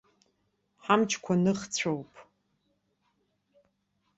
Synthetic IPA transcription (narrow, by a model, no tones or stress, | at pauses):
ħamt͡ʃʰkʷʰanɨχt͡sʷʰowpʼ